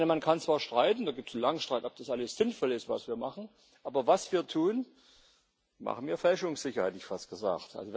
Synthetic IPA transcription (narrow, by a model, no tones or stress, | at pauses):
nmankʰant͡sv̥aːɐʃtʁ̥aɪtn̩daːɡiːp̚tsn̩laŋʃtʁaɪtnɔp̚d̥asʔaləsz̥ɪnfɔlɪstv̥a̰sv̥iːɐmaχn̩ | ʔaːbɐvasv̥iːɐtʰuːn | ma̰χn̩viːɐfɛlʃʊŋsz̥ɪçɐhɛtɪçfast̚ɡ̥əza̰ːktʔa̰lzo